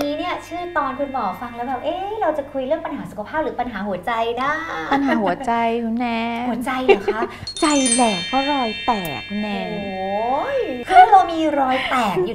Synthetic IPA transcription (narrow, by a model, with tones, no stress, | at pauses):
niː˦˥ni˥˩ɐt͡ɕʰɯː˥˩t̪ɔː˧nkʰu˧nmɔː˨˩fa˧ŋlɛː˦˥wbɛː˨˩p̚ʔeː˦˥ɾa˧wt͡ɕa˨˩kʰu˧jɾɯ˥˩əŋpa˧nɦaː˩˦su˨˩kʰa˧pʰaː˥˩p̚ɾɯː˩˦pa˧nɦaː˩˦ɦu˩˦ɐt͡ɕa˧jna˦˥pa˧nɦaː˨˩˦ɦu˨˩˦ɐt͡ɕa˧jnɛ˦˥u˩˦ɐt͡ɕa˧jːkʰa˦˥ | t͡ɕa˧jlɛː˨˩k̚pʰa˦˥˩ɾaː˧jt̪ɛː˨˩k̚nɛ˧˩o˧˩˦jkʰa˥˩mɔː˧miː˧ɾɔː˧˥jpɛː˨˩k̚juː˨˩